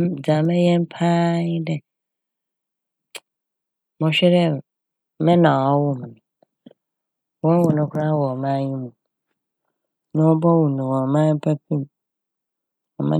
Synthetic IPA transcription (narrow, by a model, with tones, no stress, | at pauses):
d͡za˨mɛ̃˦jɛ̃˦m˦pʰa˦ɲɪ̃˦dɛ˦ | mɔ̃˨ɕᶣɛ˦ɾɛ˦˨ | mɛ̃˦nã˨a˦wʊ˦m˨ñ˨ | wɔ̃˦n˦wɔ˨nʊ̃˨kʰʊ˦ɾa˦wɔ˨mã˦ɲĩ˦mũ˨ | nɛ̃˦wɔ˦bɔ˦wu˨nũ˨wɔ̃˨mã˦pʰa˦p̚ĩ˦m | ɔ˨mã̰˦